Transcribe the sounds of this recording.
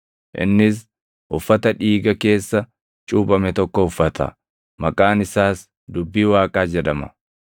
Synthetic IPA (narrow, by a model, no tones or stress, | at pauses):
ʔɪ̰nːɪs̬ | ʔʊfːɐt̪ɐᶑiːɡɐke̞ːsːɐ | t͡ʃʼuːbɐmɛt̪ɔkːɔʊfːɐt̪ʰɐ̰ | mɐkʼaːnɪsaːs | d̪ʊbːiːwaːkʼaːd͡ʒɛᶑɐmɐ̰